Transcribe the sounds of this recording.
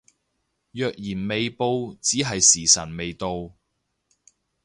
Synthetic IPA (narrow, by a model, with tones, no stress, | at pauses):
jœː˨k̚jiː˨˩nme˨jpo˧wt͡siː˨˥ɦɐ˨jsiː˨˩sɐ˨˩nme˨jt̪o˧w